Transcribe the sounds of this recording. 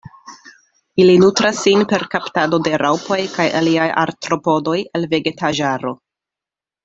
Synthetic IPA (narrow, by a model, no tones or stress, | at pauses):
ilinutɾasːinpe̞ɾkaptado̞de̞ɾʔawpo̞jkaja̰liaja̰ɾtɾo̞po̞do̞jelve̞ɡe̞tʰaʒaɾo̞